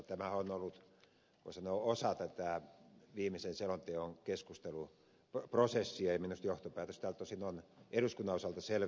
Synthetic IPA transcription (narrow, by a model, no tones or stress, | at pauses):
t̪æmæhonolːut̪ | kosɑnoːosɑt̪æt̪æʋiːmisenselont̪eoŋkeskust̪elu | prosesːiɑeminust̪joht̪opæːt̪øst̪æːlt̪ːosinoneduskunːɑosɑlt̪ɑsel